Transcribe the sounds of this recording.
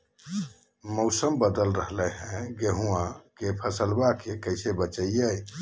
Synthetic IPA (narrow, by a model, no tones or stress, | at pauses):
mowsəmbəd̪əlɾəɦlɛɦɛ̃ɡeɦũãkepʰəsəlbakekəjsebət͡ʃəjəj